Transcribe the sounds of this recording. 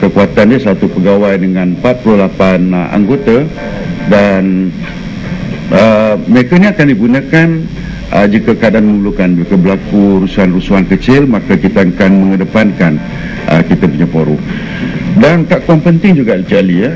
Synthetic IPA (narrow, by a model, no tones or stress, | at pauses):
kəkuat̪andəsat̪upəɡawajdəŋãnmpat̪̚plulapana̰ŋɡot̪a | dan | əməɾekəniakandiɡunəkan | əd͡ʒikəkadanmənulukanbikəbəlakuɾusuanrusuɦankət͡ʃɪlmakəkit̪əakanməŋədəpankan | ə̰kit̪əpuɲapoɾu | dant̪aʔkuampənt̪ɪŋd͡ʒuɡaʔit͡ʃialiə